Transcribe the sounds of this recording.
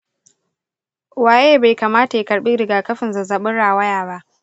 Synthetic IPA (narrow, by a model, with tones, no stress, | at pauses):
waː˨jeː˦baː˨jkaː˨maː˦ta˨ji˦kɐ˨ɽɓi˦ɾɪ˨ɡaː˨kɐ˦ɸɪ˨nza˨za˨ɓɪ˦ɽaː˨wɐ˦jaː˨ba˦ʔ